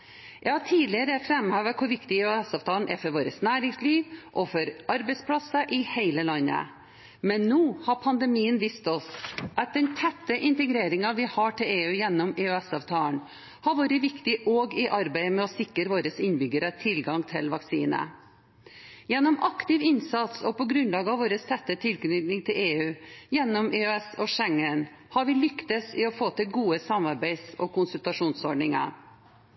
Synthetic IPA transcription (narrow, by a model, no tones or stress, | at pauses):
jæɪhɑʈʰiːlɪəɾəfɾɛmːhøːʋəkʰʊɾʋɪkt̪ɪʉɛsɑːʋt̪ʰɑːlnʔɛ̰fɔɾʋoːɾəsnæːɾɪŋsliːʋʔɔfɔɾʔɑɾbɛɪspʰlɑsɑʔɪheɪləlɑnːə̰ | mɛnːuːhɑpʰɑnd̪əmiːənʋiːst̪ɔsʔɑt̪̚d̪ɛnt̪ʰɛt̪ːəʔɪnt̪ɛɡɾeːɾɪŋɑʋɪhɑʈʰɪleːʉːjɛnːɔmɪʉɛsɑʋt̪ʰɑːln | hɑɾʋoːɾəʋɪkt̪ɪʔoːɡɪʔɑɾbæɪmɛɔsɪkːəɾʋoːɾəsɪnbʏɡəɾət̪ʰɪlɡɑŋt̪ʰɪlʋɑksiːnə̰ | jɛnːɔmʔɑkt̪ɪʋɪnsɑt̪sɔpɔɡɾʉnlɑːɡəɑʋoːɾəst̪ʰɛt̪ːət̪ʰɪlɡnɪŋt̪ʰɪleːʉːjɛnːɔmʔɛœɛsɔʂɛŋːən | hɑɾʋɪlʏkt̪əsɪɔfoːt̪ʰɪlɡuːəsɑmɑɾbæɪsɔkʊnsʉlt̪ɑʂuːnsɔɖɳɪŋɑ̰ɾ